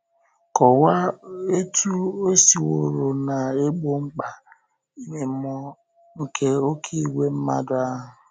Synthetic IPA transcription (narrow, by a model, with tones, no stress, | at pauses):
kɔ˨wa˦e˦tu˦o˦si˨wo˨ɾo˨na˨e˦ɡ͡bo˨ŋ͡m̩˦k͡pa˨ | i˦ne˨m̩˦mɔ˦ | ŋ̩˨ke˦o˦kʰi˦i˨we˦m̩˦ma̰˦dʊ˦a˦ɦʊ˨